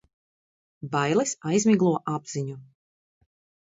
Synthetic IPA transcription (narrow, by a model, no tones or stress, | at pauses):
bajlˠisajzmʲiɡlˠuɔʔabz̥iɲu